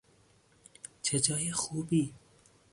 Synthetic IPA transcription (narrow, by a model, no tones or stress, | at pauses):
t͡ʃʰed͡ʒɑːjexubiː